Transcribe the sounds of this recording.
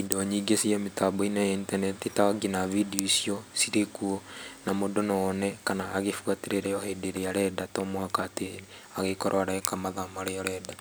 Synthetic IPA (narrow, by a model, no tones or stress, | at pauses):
idɔɲiɡesiametabɔinajaintanɛtitaɡenavidiosiɔsiɾekuɔnamodonɔnɛkanaːɣefuateɾeɾɛɔhedeɾeaɾɛdatɔmwakateɾe | aɣekoɾʔwaɾaɛkamaðamaɾeaɾɛda